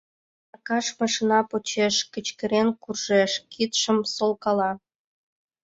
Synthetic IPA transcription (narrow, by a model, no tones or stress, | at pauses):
ɑkɑʃmɑʃnɑpot͡ɕeʃkə̆t͡ɕkə̆ɾenkurʒeʃkʰit̪ʃə̆msolˠkɑlɑ